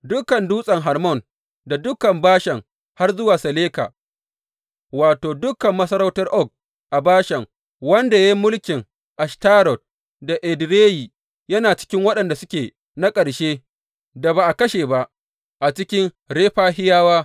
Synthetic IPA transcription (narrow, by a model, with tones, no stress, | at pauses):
dʊ˦kɐ˨nduː˦sʼɐ˨ŋɦa˨rmɔ˦˨n | da˨dʊ˦kɐ˨mbaː˦ʃɛ˨ŋ | ha˦rzʊ˦waː˨sɐ˨leː˦ka̰ː˨ | waː˨toː˨dʊ˦kɐ˨mːɐ˦sɐ˦ɾɐ˦wtɐ˦rʔɔ˦k̚ | ʔa˨baː˦ʃɛ˨ŋ | wɐ˦nda˨ja˦mʊ˦lkʲɪ˨ŋ | ʔa˨staː˦ɾɔ˨t̚ | da˨ʔɛ˨dɾeː˦ji˨ | jɐ˦naː˨t͡ʃɪ̥˦kʲɪ˦ŋwɐ˦ɗɐ˨nda˨sʊ˦kʲeː˨ | na˦kʼɐ˨ɽʃeː˦ | da˨ba˨ʔa˨kɐ˦ʃeː˨ba˦ʔ | ʔa˨t͡ʃɪ˦kʲɪ˦ŋ | ɽeː˦ɸaː˦ɦɪ˦jaː˦waː˦